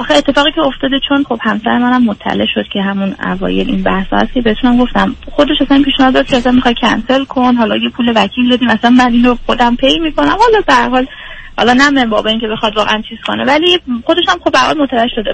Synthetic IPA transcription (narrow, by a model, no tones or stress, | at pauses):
ʔɒxeet̪ːefɒːɣiːcʲʰeo̞ft̪ɒːd̪et͡ʃʰo̞nχo̞b̥hæmsæ̰ɾemænæmːot̪ʰːæ̰le̞̰ʔʃod̪̥cʰe̞ɦæmunæ̰vɒ̰ːjelḭnbæhsɒ̰ːhæ̰st̪̚cʰe̞bet̪ʰunæmɡo̞ft̪æmxo̞d̪e̞ʃæsænpiːʃnɒhɒd̪ɒːd̪̚cʰeæsænmixɒjcʰæ̰nse̞lkʰo̞nɦɒːlɒjepʰuːlevækʰiːld̪ɒːd̪iːmæsænmæd̪inoxo̞d̪æmpʰe̞jmiːkʰo̞næmhɒlɒbehæɾɦɒːl | hɒ̰lɒːnæmembɒːbɒiːŋcʰe̞be̞xɒd̪vɒːɣḛænt͡ʃʰiːz̥kʰo̞̰nevælixod̪eʃæmχobeæɾhɒ̰lmot̪ʰævæeʃod̪e